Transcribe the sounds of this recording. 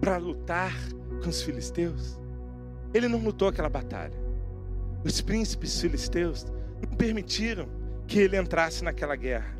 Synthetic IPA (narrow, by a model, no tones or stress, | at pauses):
pɾɐlut̪aɾ | kõʊsfilist̪ews | elɪnɐ̃w̃lut̪owakɛlɐbat̪a̰ʎɐ | ʊspɾĩsi̥pɪsfilist̪ewznɐ̃w̃peɾmit͡ʃiɾɐ̃w̃ | kɪelɪẽnt̪ɾasɪnakɛlɐɡɛhɐ